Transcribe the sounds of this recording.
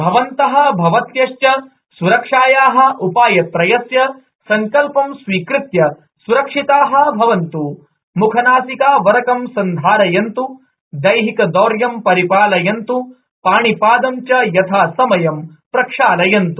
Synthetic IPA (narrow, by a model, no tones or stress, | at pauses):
bʱɐʋɐnt̪ɐɦɐ̆bʱɐʋɐt̪jɐʂjɐ | suɾɐkʂaːjaːɦɐ̆ʔupaːjɐt̪ɾɐjɐsjɐ | sɐŋkɐlpɐmsʋiːkɾɪt̪jɐ | suɾɐkʂit̪aːɦɐ̆bʱɐʋɐnt̪u | mukʰɐnaːsikaːʋɐɾɐkɐmsɐnd̪ʱaːɾɐjɐnt̪u | d̪ɐjɦikɐd̪oːɾjɐmpɐɾipaːlɐjɐnt̪u | paːɳipaːd̪ɐmt͡ʃɐjɐt̪ʰaːsɐmɐjɐm | pɾɐkʂaːlɐjɐnt̪u